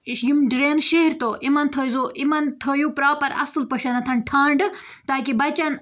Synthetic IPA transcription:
jimɖɾeːnʃeɦɾt̪oʔimɐnt̪ʰɐːjzoʔimɐnt̪ʰɐːjupɾaːpɐɾɐ̰sɨlpɐʃɐnɐt̪ʰɐnʈʰãːɳɖ | t̪aːk̬ibɐt͡ɕɐn

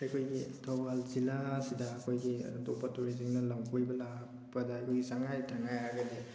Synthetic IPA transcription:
ajkʰojɡitʰɔbalzilasidaːkʰojɡidɔpatuɾiziŋnalamkʰojbɐlak | bɐdaːjkʰojɡisaŋajtʰaŋajɦaɡɐde

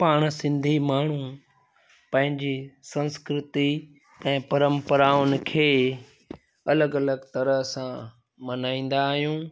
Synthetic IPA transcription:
paːɽ̃sɪ̃nd̪ʱimaːɳ̤u | pɐ̃ɦɪ̃ɲd͡ʑesɐ̃nskɾɪt̪i | ɛ̃ːpɐɾə̃mpəɾaːʊnɪ̆kʰeː | ɐləɡɐləɡt̪ɐɾəɦsã | mɐnaːĩːn̆d̪aːɦjũː

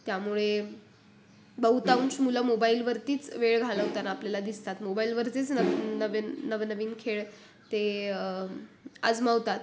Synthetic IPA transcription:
t̪jamuɭe | bəɦut̪aunsmuləmobailʋəɾt̪iːt͡sʋeɭɡʱaləɦt̪anaːpljalad̪ist̪at̪mobailʋəɾt͡set͡snəʋːəʋenːəʋnəʋiːnkʰeɭ | t̪e | a̰d͡zmaʋt̪at̪

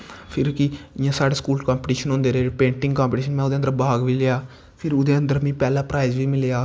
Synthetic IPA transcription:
pʰɪɾkɪɪjãːsaːɽeːskuːlkãːmpʈiːʃənɦõːnd̪eːɾeːpẽːɳʈɪ̃ŋɡkaːmpːʈiːʃənmɛ̃ːʊd̪eːənd̪əɾbaːɡʋiːleaː | pʰɪɾʊd̪eːənd̪əɾmĩːpɛːlaːpɾaːɪzʋiːmɪleaː

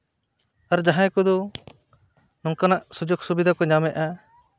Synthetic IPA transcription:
aɾd͡ʒaɦãjkɔd̪ɔ | nɔŋkanaʔsud͡ʒɔɡsubid̪ʱakɔɲamɛʔa

